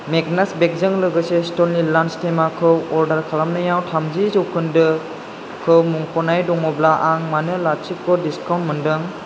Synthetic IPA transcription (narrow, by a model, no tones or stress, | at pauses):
mek̚nasbek̚zɯŋlɯɡɯsestɔnlilanstemakʰɯwɔɾdaɾkʰalamnɯjawtʰamzizɯwkʰɯndɯ | kʰɯwmuŋpʰɔnajdɔŋɔblaʔaŋmanɯlat͡ʃikːɔdiskawntmɯndɯŋ